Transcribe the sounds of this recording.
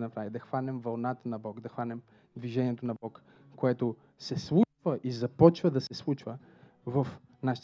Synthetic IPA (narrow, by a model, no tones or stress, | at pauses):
nɐpɾavid̪ɐxvanɛmvɐlˠnat̪ənɐbɔkd̪ɐxvanɛm | d̪viʒɛniɛt̪onɐbɔk | koɛt̪o | sɛslˠut͡ʃvəʔizɐpɔt͡ʃvəd̪ɐsɛslˠut͡ʃvə | vɐf | naʃi̥t